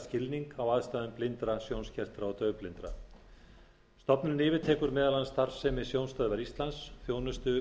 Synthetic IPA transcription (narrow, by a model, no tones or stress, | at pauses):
scɪlniŋkawaːðst̪aːðʏmplɪnt̪ɾasjownscʰɛr̥t̪ɾaɔt̪œːɥplɪnt̪ɾa̰ | st̪ɔpnʏnɪːvɪt̪ʰɛːkʏɾmɛːðalanst̪aɾ̥sɛmɪsjownst̪aːðvɛɾist̪lansθjoːwnʏst̪ʏ